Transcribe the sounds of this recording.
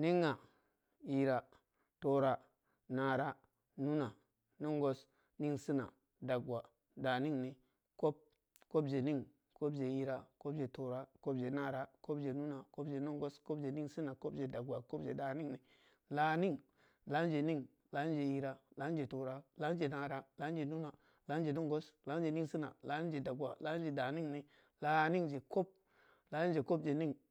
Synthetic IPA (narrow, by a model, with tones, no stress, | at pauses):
ni˦ŋːa˨ | i˨ɾa˨ | to˨ɾa˦ | na˨ɾa˦ | nu˦na˨ | no˦ŋɡo˦s | ni˦ŋsi˦na̰˨ | da˨ɡwa˨ | da˨ni˦ŋni˨ | ko˦p̚ | ko˦bd͡ʒe˨ni˦ŋ | ko˦bd͡ʒe˨i˨ɾa˨ko˦bd͡ʒe˨to˨ɾa˦ko˦bd͡ʒe˨na˦˨ɾa˦ko˦bd͡ʒe˨nu˦na˨ko˦bd͡ʒe˨no˦ŋɡo˦sko˦bd͡ʒe˨ni˦ŋsi˦na˨ko˦bd͡ʒe˨da˨ɡwa˨ko˦bd͡ʒe˨da˨ni˦ŋni˨ | la˨˦ni˦ŋ | la˨˦d͡ʒe˨ni˦ŋ | la˨˦i˦d͡ʒe˨ji˨ɾa˨la˨˦d͡ʒe˨to˨ɾa˦la˨˦d͡ʒe˨na˨ɾa˦la˦n˦d͡ʒe˨nu˦na˨ | la˦n˦d͡ʒe˨no˦ŋɡo˦sla˨˦n˦d͡ʒe˨ni˦si˦na̰˨la˨˦ni˦ŋ˦d͡ʒe˨da˨ɡwa˨la˦d͡ʒe˨da˨ni˦ŋni˨ | la˦ni˦ŋd͡ʒe˨ko˦p̚ | la˨˦ni˦ŋ˦d͡ʒe˨ko˦bd͡ʒe˨ni˦ŋ